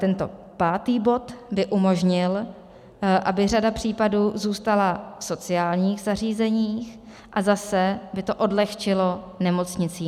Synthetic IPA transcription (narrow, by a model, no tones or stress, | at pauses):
t̪ɛnt̪o̞̰paːt̪iːbo̞t̪bɪʔumo̞ʒɲɪl | ʔabɪr̝adapr̝̥iːpaduːzuːst̪alafso̞t͡sɪaːlɲiːxzariːzɛɲiːx | ʔazasɛbɪt̪o̞ʔo̞dlɛxt͡ʃɪlo̞ | nɛmo̞t͡sɲɪt͡siː